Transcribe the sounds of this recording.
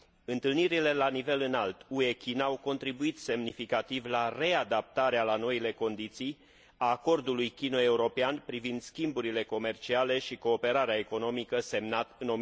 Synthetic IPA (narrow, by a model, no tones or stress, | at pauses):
ɨnt̪ɨlniɾile̞lanive̞lɨnalt̪ue̞kʲinawko̞nt̪ɾibuit̪se̞mnifikat̪ivlare̞ad̪ap̚t̪aɾealano̞ile̞ko̞nd̪it̪sij | aːko̞rd̪ulujkʲino̞e̞uɾo̞peanpɾivind̪skʲimbuɾile̞ko̞me̞rt͡ʃiale̞ʃiko̞ːpe̞ɾaɾeaeko̞no̞mikəse̞mnat̪ɨno̞